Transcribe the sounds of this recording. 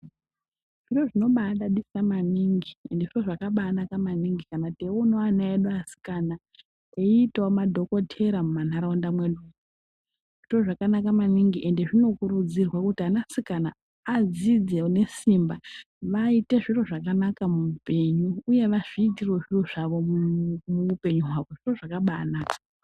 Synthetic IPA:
ʐ̥iro̞ʐino̞ɓaɗaɗisamaniŋɡie̞̰nde̞ʐiro̞ʐakaɓaːnakamaniŋɡikanateunoanaeɗuasi̥kana | eiːtaomadʱo̞ko̞tʰe̞ɾamuman̤aɾaundamwe̞ɗuu | ʐ̥iro̞ʐakanakamaniŋɡiʔe̞nde̞ʐino̞kurud͡zirwakutianasikanaː | d͡zid͡zene̞simba | ʋaite̞ʐiro̞ʐakanakamupe̞ɲuːje̞ʋaʐ̥iːtirwe̞ʐiro̞ʐaʋo̞muupe̞ɲuɦwaʋo̞ʐiro̞ʐakaɓanaːkḁ

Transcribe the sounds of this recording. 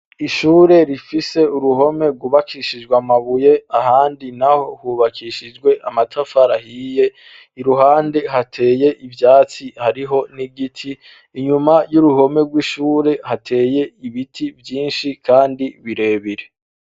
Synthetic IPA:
iʃuːɾe̞ɾifise̞uɾuho̞me̞ɡuβakiʃid͡ʒɡwamaβuje̞ahaːndinaho̞hwuβakʰiʃid͡ʒɡwe̞ʔamatʰafaɾahiːje̞ | iɾuɦaːnde̞ɦatʰe̞ːje̞ʔivjaːt͡sihaɾiɦo̞niɡitʰiː | ɲumajuɾuɦo̞me̞ɡwiʃuːɾe̞hatʰe̞ːje̞iβitʰivjiːnʃikaːndiβiɾe̞ːβiɾe̞

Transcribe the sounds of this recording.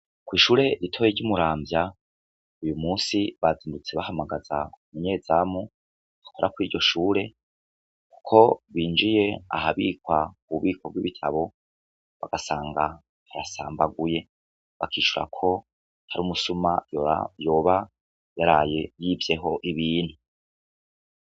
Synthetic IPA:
kwiːʃuːɾe̞ɾitʰo̞ːjeɾɟumuɾaːmbja | ujumuːsiβaziːndut͡se̞βahamaɡaz̥aumuɲe̞ːzamu | βakʰo̞ɾʔakwiːɾɟo̞ʃuːɾe̞ | ku̥kʰo̞βiːnd͡ʒije̞a̰ɦaβḭːkwakuβuβiːkwob̚ɡwiβitʰaβo̞ | βa̰ɡ̥asaːŋɡa | haɾasa̰ːmbaɡuje̞ | βakʰiːʃuɾa̰kʰo̞ | haɾuːmusumaj̰jo̞ːβa | jaɾajejiːvje̞ɦo̞ʔiβiːn̥hu

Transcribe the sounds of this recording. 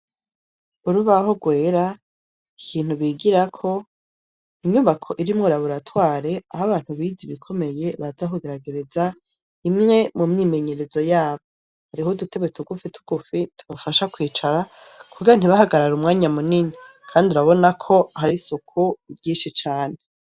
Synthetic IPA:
uɾuβaho̞ɡwe̞ːɾa | ikʰiːn̥huβiːɡiɾakʰo̞ | iɲuβakʰo̞ʔiɾimŋoɾaβuɾatwaːɾe̞ahaβaːn̥huβiːziβikʰo̞me̞je̞βazahuɡeɾaɡe̞ɾe̞za | imŋe̞mumɲiːme̞ɲe̞ɾe̞zo̞jaːβo̞ | haɾiɦodute̞βwetuɡufitʰu̥ɡ̥ufitʰu̥βafaʃakwiːt͡ʃaɾa | kʰuɡiɾan̥iβahaɡaɾaɾumŋaːɲamuniɲi | kʰaːndiuɾaβo̞nakʰo̞ɦaɾisukʰuvɟiːʃit͡ʃaːne̞

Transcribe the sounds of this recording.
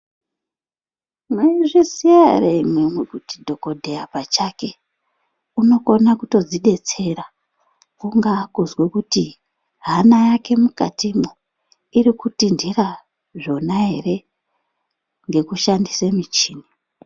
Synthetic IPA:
meiʐisiareimwemwekutidʱo̞ko̞dʱe̞japat͡ʃake̞ | uno̞konakuto̞d͡ziɗe̞t͡se̞ra | kuŋɡakuzwekuti | ɦanajake̞mukatimu | iɾikutindira | ʐo̞naɦe̞re̞ | ŋɡe̞kuʃandisemit͡ʃiːni

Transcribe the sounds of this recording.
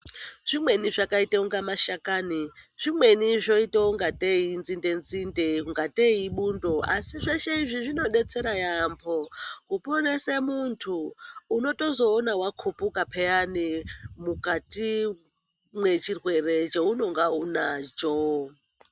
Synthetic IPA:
ʐ̥imwe̞niʐakaitauŋɡamaʃakaniʐ̥imwe̞niʐoitauŋɡatʼeinzindenzindeŋɡatʼeiɓundoa̰siʐeʃeiʐiʐino̞ɗet͡seɾajampʰokuponesemuntʰuːno̞to̞zo̞ːnawakʰopʼukapʰejanimukʼatʼi | mwe̞t͡ʃirweret͡ʃeuno̞ŋɡaunad͡ʒo

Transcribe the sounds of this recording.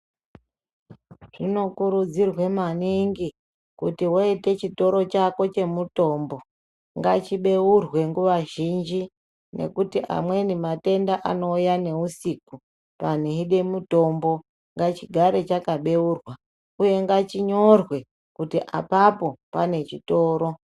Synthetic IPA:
ʐ̥ino̞kuɾud͡zirwe̞maniŋɡi | kutiwoite̞t͡ʃito̞ɾo̞t͡ʃako̞t͡ʃe̞muto̞ːmbo̞ | ŋɡat͡ʃiɓe̞urwe̞ŋɡuʋaʒind͡ʒi | ne̞̰kutiʔa̰mwe̞nimate̞ndaʔano̞ujane̞usiku | pan̤iɦiɗe̞muto̞mbo̞ | ŋɡat͡ʃiɡʱaɾe̞t͡ʃakaɓe̞urwa | uje̞ŋɡat͡ʃiɲo̞rwe̞ | kutiʔa̰papo̞pane̞t͡ʃito̞ːɾo̞

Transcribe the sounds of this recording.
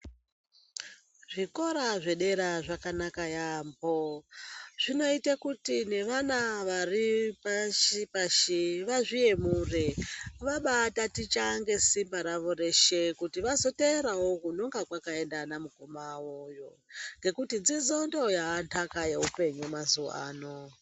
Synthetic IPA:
ʐ̥iko̞ɾaʐe̞ɗe̞ɾaʐakanakajambo̞ | ʐ̥ino̞itakutine̞ʋanaʋaripaʃipaʃiʋaʐije̞mureʋaɓatatit͡ʃaŋɡe̞simbaɾaʋo̞re̞ʃe̞kutiʋazo̞teeɾawo̞kunoŋɡakwakae̞ndanamukomawojo̞ŋɡe̞kutid͡zid͡zondo̞jaːntʰakaje̞upe̞ɲumazṵa̰ːno

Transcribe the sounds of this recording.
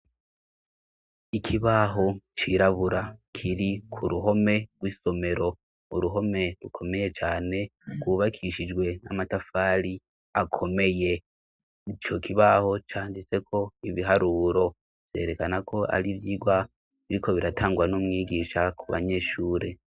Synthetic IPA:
ikʰiβaɦo̞t͡ʃiɾaβuɾakʰiɾikʰuɾuɦo̞me̞ɡɡwiːso̞me̞ɾo̞ | uɾuɦo̞me̞ɾukʰo̞me̞je̞t͡ʃaːne̞ɡ̥wuβakʰiʃid͡ʒɡwe̞a̰matafaːɾi | akʰo̞me̞je̞ | it͡ʃo̞kiβaho̞t͡ʃaːndit͡se̞kʰo̞iβiɦaɾuːɾo̞ | v̥je̞̰ːɾe̞kanakʰo̞a̰ɾivjiːɡwa | βiɾikʰo̞βiɾatʰaːŋɡwanomŋiːɡiʃakʰuβa̰ɲe̞ːʃuːɾe̞

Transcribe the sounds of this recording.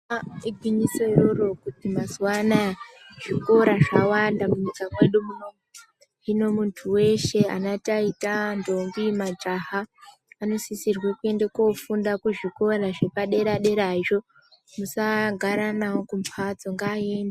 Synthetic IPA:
iɡʱwiɲiseroro̞kutimazuwanaʐ̥iko̞ɾaʐawandamuɲikamwe̞ɗumuno | ino̞muntʰuwe̞ʃe̞a̰nataitando̞ŋɡimad͡ʒaɦaː | no̞sisirwakue̞ndeko̞fundakuʐiko̞ɾaʐepaɗe̞ɾaɗe̞ɾaiʐo̞ | musaɡʱaɾanawokumpʰad͡zo̞ŋɡaːe̞nde

